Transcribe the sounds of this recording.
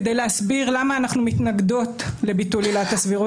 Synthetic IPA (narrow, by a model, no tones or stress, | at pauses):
d̪ejleasbiʁlamaːnaχnumitnaɡd̪o̞tle̞bitulilat̪asviʁu